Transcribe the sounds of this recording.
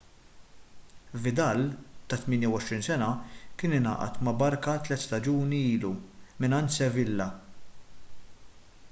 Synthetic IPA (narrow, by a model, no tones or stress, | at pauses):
vɪd̪ɐlt̪ɐt̪mɪːnjɐwɔʃɾiːnsɛnɐkɪːnɪnɐ̰ːʔɐ̰t̪mɐbɐɾkɐt̪lɛt̪ːst̪ɐd͡ʒuːniiːlumɪnɐnt̪sɛvɪlːɐ